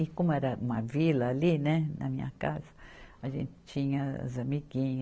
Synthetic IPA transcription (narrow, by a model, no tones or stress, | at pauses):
ikomoeɾamãvilalinẽna̰mĩɲa̰kazḁaʒḛ̃nt̪e̥t͡ʃiɲazamiɡiɲ